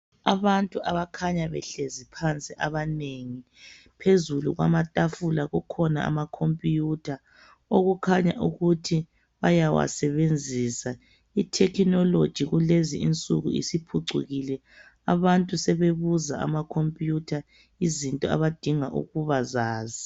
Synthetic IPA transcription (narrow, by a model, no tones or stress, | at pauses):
a̰βantʼuʔaβakʰaɲaβɛ̰ɬezipʰant͡sʼiʔaβaneŋi | pʰezulṵɣwa̰matʼafulaɣukʰɔna̰a̰makʰompʼijutʰa | oɣukʰaɲa̰ʔuɣutʰi | βajawa̰sɛβend͡zʱisa | itʰɛkʰinɔlod̥ʒ̥ʱiɣulezḭint͡sʼṵɣṵḭsipʰuǀṵɣilɛ | a̰βantʼusɛβeβuzaa̰makʰompʼjutʰa | izintʼɔa̰βad̥ʱiŋaʔṵɣuβazaːzi